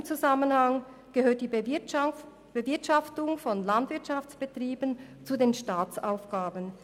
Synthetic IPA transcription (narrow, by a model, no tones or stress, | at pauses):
mt͡suzamənhaŋ | ɡ̥əɦøːɐt̚d̥iː | b̥əvɪɐtʃaftʊŋfɔnlandv̥ɪɐtʃaft͡sb̥ətʁ̥iːbənt͡sudeːnʃtaːt͡sa̰ʊfɡ̥aːbən